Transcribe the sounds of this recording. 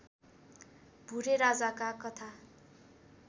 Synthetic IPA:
b̥ʱuɾeɾad͡zakakʌt̪ʰa

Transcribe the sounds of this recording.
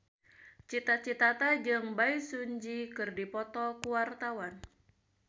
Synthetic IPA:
t͡ʃit̪at͡ʃit̪at̪ad͡ʒɨŋbaisuɲd͡ʒikɨrdipɔt̪ɔkuwart̪awan

